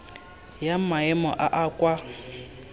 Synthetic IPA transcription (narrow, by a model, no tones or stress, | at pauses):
jamaɛmɔ̰ʔaʔakʼwa